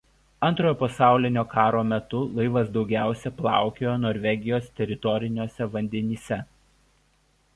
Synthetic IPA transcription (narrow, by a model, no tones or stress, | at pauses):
ɐnˑt̪ɾoːjoːpɐsɑˑʊlʲɪnʲoːkɑːɾoːmʲɛt̪ʊlˠɐɪʋɐsd̪ɒʊɡʲæˑʊsʲɛplˠɑ̰ˑʊkʲeːjoːnoːɾʲʋʲɛɡʲɪjoːst̪ʲɛɾʲɪt̪ɔɾʲɪnʲoːsʲɛʋɐnʲd̪ʲɛnʲiːsʲɛ